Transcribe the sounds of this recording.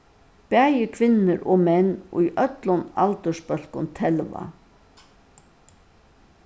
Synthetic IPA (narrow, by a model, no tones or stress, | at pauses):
pæːjəkʰʋɪnːəɾʔoːmɛnːʊjʔœt̪lʊnalt̪əʂpœl̥kʊnt̪ʰɛlʋa̰